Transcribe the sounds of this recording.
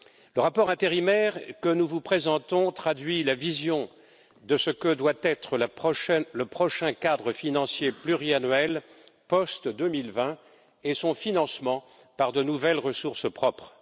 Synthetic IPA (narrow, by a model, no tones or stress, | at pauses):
ləʁapɔʁɛ̃t̪eʁimɛʁkənuvupχezɑ̃t̪ɔ̃t̪χad̪ɥilavizjɔ̃ | d̪əsəkəd̪wat̪ɛt̪χəlapχɔʃɛləpχɔʃɛ̃kad̪ʁəfinɑ̃sjeplyʁianɥɛl | pɔst̪d̪əmilvɛ̃ | esɔ̃finɑ̃smɑ̃ | paʁd̪ənuvɛlʁəsuʁspχɔpχ